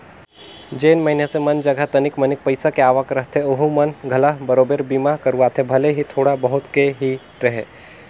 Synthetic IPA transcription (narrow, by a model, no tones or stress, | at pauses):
d͡ʒeːnməɦinesemənd͡ʒəɡʱat̪ənikmənik̚pəɪsakeaːʋakɾəɦt̪ʰeoɦumənɡʱəlaɦbəɾoːbeɾbimakəɾuat̪ʰebʱəleɦit̪ʰoːɽabəɦut̪keɦi | ɾəɦe